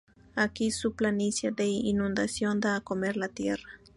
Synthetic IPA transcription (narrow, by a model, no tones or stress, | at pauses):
akisuplanisjad̪einũnd̪asjo̞nd̪aːkomeɾlat̪jḛrḁ